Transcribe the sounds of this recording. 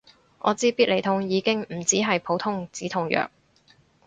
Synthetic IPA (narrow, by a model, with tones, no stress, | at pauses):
ʔɔ̰ː˨˧t͡siː˥piː˥le˨˩jt̪ʰʊ˧˥ŋjiː˨˧kɪ˥ŋm̩˨˩t͡siː˨˥ɦɐ˨jpʰo˨˥wt̪ʰʊ˥ŋt͡siː˨˥t̪ʰʊ˧ŋjœ̰ː˨˩k̚